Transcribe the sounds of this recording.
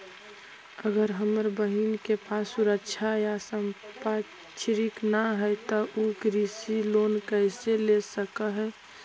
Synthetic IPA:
əɡəɾɦəməɾbəɦinkepasuɾəkʃʰajasəmpa | t͡ʃʰɾiknaɦɛjt̪ɔʔuɡɾisiloːnkəɪselesəkəɦɛ

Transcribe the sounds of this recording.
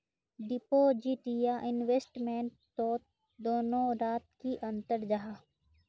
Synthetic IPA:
ɖɪpoːd͡ʒiʈijaʔɪnʋeːsʈmẽɳʈ̚t̪oːt̪ | d̪oːnõɾaːt̪̚kiʔɐ̃nt̪əɾd͡ʒaɦaː

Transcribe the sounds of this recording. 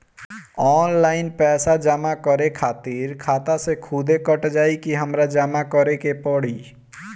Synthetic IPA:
ɔːnlaːɪnpɛːsad͡ʒəmakəɾekʰaːt̪iɾkʰaːt̪asekʰuːd̪ʱekəʈd͡ʒaːikiɦəmɾad͡ʒamakəɾekepɔɽiː

